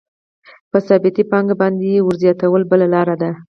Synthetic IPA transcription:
pəsɑbɪt̪ipɑŋɡabɑnd̪ewʊɾzjɑt̪awəlbəlalɑɾad̪a

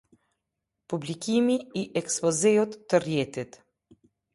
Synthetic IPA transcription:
publikʲimiiʔɛkspɔzɛjɔt̪ːərjɛt̪it̪

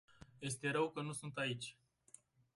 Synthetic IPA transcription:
je̞st̪e̞ɾəwkənusunt̪ait͡ʃʲ

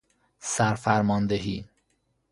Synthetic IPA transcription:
sæɾfæɾmɒːnd̪eɦiː

